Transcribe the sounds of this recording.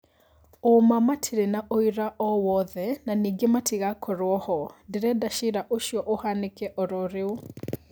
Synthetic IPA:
omamatʰiɾenaʔoiɾaʔɔwɔðɛnaniːɡematʰiɣakʰɔɾwɔhɔndeɾɛdaʃiɾaʔoʃjɔʔohanekɛʔɔɾɔɾeo

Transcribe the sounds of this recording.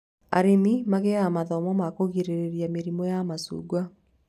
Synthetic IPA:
a̰ɾinimaɣeamaðɔmɔmakoɣiɾeɾeɾiameɾimɔjamasṵːɡwa

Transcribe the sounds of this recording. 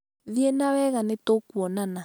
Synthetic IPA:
ðjɛnawɛɣanetokwɔnana

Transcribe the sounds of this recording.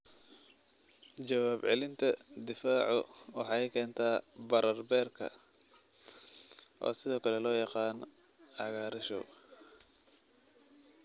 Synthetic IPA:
t͡ʃɐwaːbʕɛlɪnt̪ʰɐd̪ɪfaːʕʊwɑħɑːjkʰɛːnt̪ʰaːbɐɾɐrbɛːrkʰɐ̰ | ʔɔ̰ːsɪðɔːkʰɐlɛlɔːjɑqɑːn | ʕɑɣaːɾɪʃɔ̰

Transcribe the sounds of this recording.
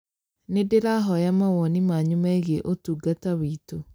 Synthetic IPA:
nedeɾaɦɔjamawɔnimaɲumaeɣeʔotuːɡatawiːto

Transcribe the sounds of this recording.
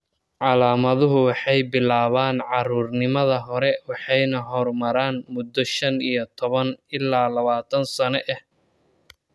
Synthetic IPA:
ʕɑlaːmɐðʊɦʊwɑħɑjbɪlaːβaːnʕɑruːrnɪmɐðɐɦɔɾɛwɑħɑjnɐɦɔrmɐɾaːnmʊd̪ɔʃɐnijɞt̪ʰɔβɐnɪlːaːlɐβaːt̪ʰɐnsɐnɛʔɛh

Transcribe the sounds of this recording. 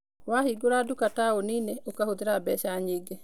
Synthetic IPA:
wahiɡoɾaːdukataoniːneʔokahoðeɾabɛʃaɲeːɡe

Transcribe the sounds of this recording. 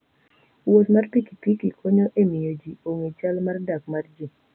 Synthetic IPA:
wot̪marpikipikikʰoɲoʔemijod͡ʒioŋit͡ʃalmardak̚mard͡ʒi

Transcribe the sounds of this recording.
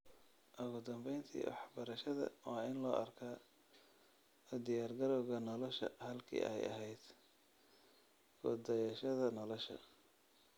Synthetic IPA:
ʔʊɣʊd̪ɐmbɛjnt̪ʰḭːwɑ̰ħbɐɾɐʃɐðɐ̰wɑːɪnlɔːʔɐrkʰaː | d̪ɪjaːrɡɐɾɔwɣɐnɔlɔʃɐ̰hɐlkʰḭːʔɛ̰jɐ̰ɦɛjd̪̥ | ɡʊ̰d̪ɐjɐʃɐðɐnɔlɔʃɐ̰

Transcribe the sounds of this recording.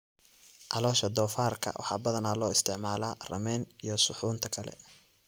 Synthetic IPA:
ʕɑlɔːʃɐd̪ɔːfaːrkʰɐ̰wʔɑ̰ħɑːbɐðɐnaːlɔːɪst̪ʰɪʕmaːlaːrɐ̰mɛːnijɔsʊħuːnt̪ʰɐkʰɐlɛ̰

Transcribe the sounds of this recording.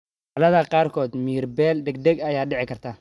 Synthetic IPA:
ɐlɐðɐqɑːrkʰɔːd̪miːrbɛːlɖ̪ɛɡ̚d̪ɛɡɐjaːɖɪʕɪkʰɐrt̪ʰaː

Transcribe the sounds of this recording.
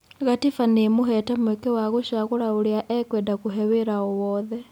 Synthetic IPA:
ɣatifanemoɦɛtɛmwekewaɣoʃaɣoɾaoɾiaʔɛkwɛndakuɦɛweɾaɔwɔːðɛ

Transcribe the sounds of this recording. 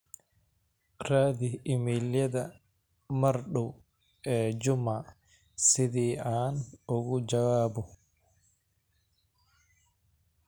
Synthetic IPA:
raːd̪ɪɪmiljɐd̪ɐ | mɐɾɗʊ | ɛːd͡ʒʊma | sɪðiːʔaːnʊɣʊd͡ʒɐwaːbʊ

